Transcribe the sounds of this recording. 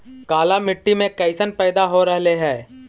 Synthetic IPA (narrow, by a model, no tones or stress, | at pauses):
kaːlamɪʈːimẽkɛɪsənpɛːd̪aɦoɾɛɦleɦɛː